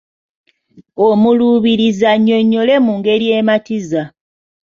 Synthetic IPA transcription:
omuluːβiɾizaɲːo̞ɲːo̞le̞muŋɡe̞ɾije̞ːmatiza

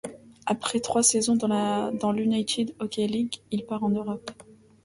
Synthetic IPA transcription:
apχɛt̪χwasɛzɔ̃dd̪ɑ̃lynajt̪ʰid̪ɔkʲɛliɡilpaʁɑ̃nøʁɔp

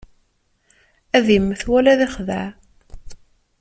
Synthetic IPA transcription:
æðimːəθwælæðæχðæ̰ʕ

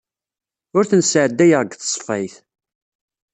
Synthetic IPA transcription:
ʊɾθənsʕəd̪ːæjəʁɡθsˤfæjθ

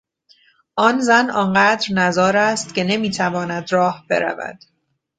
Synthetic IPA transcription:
ʔɒnzænɒnɢæːd̪ɾnæzɒːɾæst̪ce̞ne̞miːt̪ʰævɒːnæd̪ɾɒːhbe̞̰ɾæ̰væ̰d̪̥

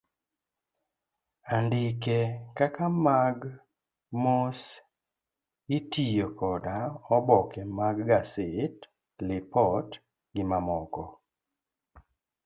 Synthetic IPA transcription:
andɪkekakamaɡ | mos | itijokɔdaɔbɔkɛmaɡɡasɪt | lɪpɔt | ɡɪmamɔkɔ

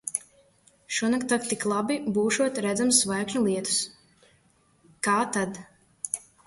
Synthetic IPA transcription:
ʃuɔnakt̪ak̚t̪iklˠabibuːʃuɔt̪ɾæd̪zamsːvajkɲulˠiɛt̪u̥s | kaːt̪ad̪

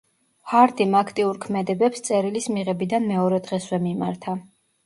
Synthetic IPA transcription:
haɾt̪ʼimakʰt̪ʼiuɾkʰmɛd̪ɛbɛpst̪sʼɛɾilismiʁɛbid̪anmɛɔɾɛd̪ʁɛswɛmimaɾt̪ʰa

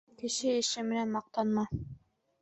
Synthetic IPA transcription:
kɘ̆ʃɘɘ̆ʃɘmɘ̆nænmɑq̚t̪ɑnmɑ

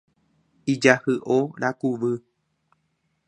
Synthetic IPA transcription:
id͡ʒahɨʔoɾakuʋɨ

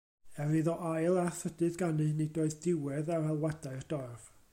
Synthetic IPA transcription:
ɛɾiðɔʔajlˠaθədɨðɡanɨnidoːɨðdɪwɛðarɛlˠwɛdaɨrd̥ɔrv̥

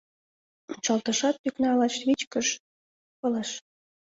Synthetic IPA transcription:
ut͡ɕɑlt̪əʃɑt̪̚pyknɑlɑʃβit͡ɕkəʃ | kɤleʃ

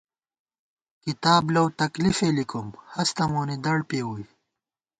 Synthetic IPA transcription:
kit̪aːblɐwt̪ɐklifeːlikumhɐst̪ɐmoːnid̪ɐɽpeːwuj

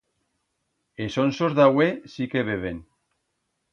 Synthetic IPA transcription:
esonsozðawesikeβ̞eβ̞en

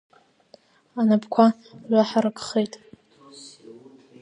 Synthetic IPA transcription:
anapʰkʷʰa | ɥʷaħaɾɨkʼχejtʼ

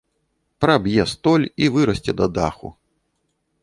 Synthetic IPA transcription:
pɾɐbjɛst̪ɔlʲivɨɾɐsʲt͡sʲɛd̪ɐd̪a̰xṵ

